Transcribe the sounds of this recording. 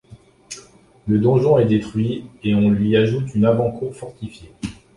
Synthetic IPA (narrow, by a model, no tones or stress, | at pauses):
ləd̪ɔ̃ʒɔ̃ɛd̪et̪χɥieɔ̃lɥiaʒut̪ynavɑ̃kuʁfɔʁt̪ifje